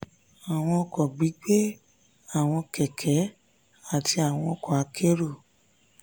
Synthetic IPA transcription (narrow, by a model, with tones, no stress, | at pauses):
a˨w̃ɔ̃˧ɔ˧kɔ˨ɡ͡bi˨˦k͡pe˦ | a˦˨w̃ɔ̃˧kɛ˨kʰɛ˨˦ | a˦˨tʰi˧a˨w̃ɔ̃˧ɔ˧kɔ̃˨a˨˧˦kʰe˦ɾo˦˨